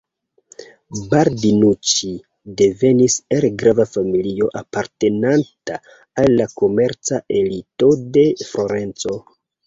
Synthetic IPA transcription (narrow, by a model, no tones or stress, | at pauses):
baɾdinut͡ʃi | de̞ve̞niselɡɾavafamilio̞ʔapaɾte̞nantaː | lːako̞meɾt͡saʔe̞lito̞de̞fɾo̞ɾe̞nt͡so̞